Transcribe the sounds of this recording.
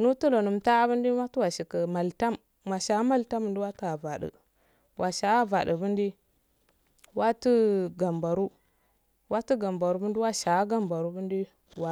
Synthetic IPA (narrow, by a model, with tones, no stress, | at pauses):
nu˦tu˦lo˨nu˨mta˦bə˦ndi˦ma˦tu˦wa˨ʃi˨kə˨ma˨lta˦mː | a˨ʃa˨˦ma˦lta˦mə˨ndi˦wa˦tə˦a˨va˨ɗə̰˨ | wʔa˨ʃa˨a˦va˨də˨bə˦ndi˦ | wa˦tə˦ɡa˨mba˨ɾu˦ | wa˦tu˦ɡa˨mba˨ɾu˦bə˦n˦di˦wa˦ʃa˨˦ɡa˦mba˨ɾu˦bu˦ndi˦ | wa˨